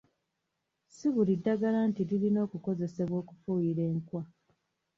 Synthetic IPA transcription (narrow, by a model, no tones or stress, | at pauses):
siβulidːaɡalaːntiɾilino̞ːkuko̞ze̞se̞βwo̞ːku̥fujiɾe̞ːŋkwa